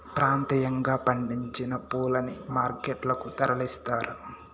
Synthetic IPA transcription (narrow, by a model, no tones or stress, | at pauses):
pɾaːnt̪ɐjɐŋɡaːpɐɳɖiɲt͡ʃinɐpuːlɐnimaːɾkeʈlɐkut̪ɐɾɐlist̪aːɾu